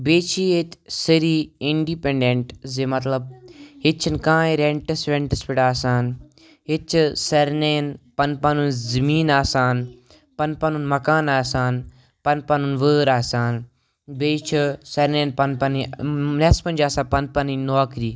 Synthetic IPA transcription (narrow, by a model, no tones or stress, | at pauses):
beːt͡ʃʰiet̪ʲsiɾiːiɳɖipeɳɖeɳʈzemɐt̪lɐb̚ɦit̪t͡ʃʰinkãːĩɾeɳʈɐsɾeɳʈɐspiɽaːsaːn | ɦit̪̚t͡ʃʰsɐɾneːnpɐnpɐnunzɐmiːnaːsaːn | pɐnpɐnunmɐkaːnaːsaːn | pɐnpɐnunʋəːɾaːsaːn | beːt͡ʃʰisɐɾneːnpɐnpɐninespɐnd͡ʒaːsaːpɐnpɐninoːkɾiː